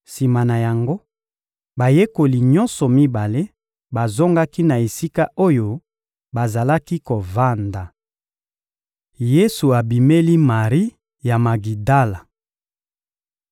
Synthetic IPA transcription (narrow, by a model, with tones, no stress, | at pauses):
si˨ma˨na˨ja˨ŋɡo˦ | ba˨je˦ko˨li˨ɲɔ˦nsɔ˨mi˦ba˨le˦ | ba˨zo˦ŋɡa˦ki˦na˨e˨si˦ka˦ʔo˦jo˨ | ba˨za˨la˦ki˦ko˨va˦nda˨ | je˦su˨a˨bi˨me˦li˦ma˨ʁi˦ | ja˨ma˨ɡi˨da˦la˨